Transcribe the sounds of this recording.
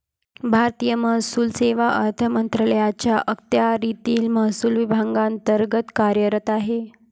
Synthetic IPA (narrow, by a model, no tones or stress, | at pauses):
bʱaɾt̪ijəməɦsuːlseʋaʔəɾt̪ʰəmənt̪ɾələjat͡ɕjaʔək̚t̪jaɾit̪iːlməɦsuːlʋibʱaŋɡant̪əɾɡət̪kaɾjəɾət̪aɦe